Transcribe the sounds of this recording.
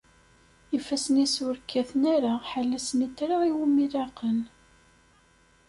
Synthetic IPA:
ifːæsənisʊɾkʰːæθnaɾaħalːæsənit̪ːɾaiwumilɑqən

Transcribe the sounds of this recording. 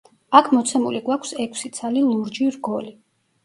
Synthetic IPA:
akʰmɔt̪sʰɛmuliɡwakʷʰsɛkʰsit̪sʰalilˠuɾd͡ʒiɾɡɔli

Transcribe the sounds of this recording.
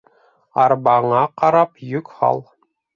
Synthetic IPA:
ɑɾbɑɴɑqɑɾɑpjɵkχɑ̰lˠ

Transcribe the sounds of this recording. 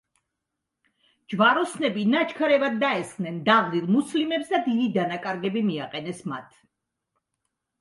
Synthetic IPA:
d͡ʒvaɾɔsnɛbinat͡ʃʰkʰaɾɛvad̪ːaɛsχnɛnd̪avlilˠmuslimɛpsd̪ad̪id̪id̪anakʼaɾɡɛbimiaqʼɛnɛsma̰t̪ʰ

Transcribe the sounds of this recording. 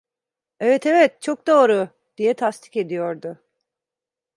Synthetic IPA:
ɛvɛt̪ʰevɛt̪̚t͡ʃʰok̚d̪o̞ːɾʊ | d̪̥ijɛt̪ʰast̪ʰi̥ce̞d̪ijo̞ɾd̪ʊ

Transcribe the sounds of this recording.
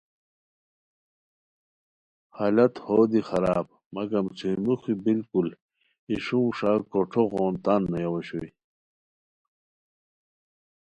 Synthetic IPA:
halɐt̪hoːd̪ixɐɾaːb̚ | mɐɡɐmt͡sʰumuxibilkul | iʂumʂaːkoʈ͡ʂʰoɣoːnt̪anːɐjawɐɕui

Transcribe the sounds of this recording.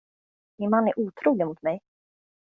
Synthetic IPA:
mɪnmanːæɾʔuːt̪ʰɾuːlɪɡamʊt̪mɛj

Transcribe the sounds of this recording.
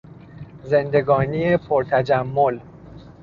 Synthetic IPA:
ze̞nd̪e̞ɡɒːniepʰoɾt̪ʰæd͡ʒæmːol

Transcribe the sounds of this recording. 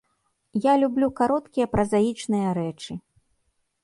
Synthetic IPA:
jalʲublʲukaɾɔt̪kʲijɐpɾɐzajit͡ʂnɨjɐɾɛt͡ʂɨ

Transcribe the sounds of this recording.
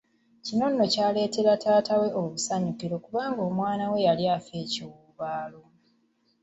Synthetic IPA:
cino̞nːo̞caːle̞ːte̞ɾatʰaːtawe̞oβusaɲukiɾo̞kuβaːŋɡo̞ːmwaːnawe̞jaljaːfe̞ːciwuːβaːlo

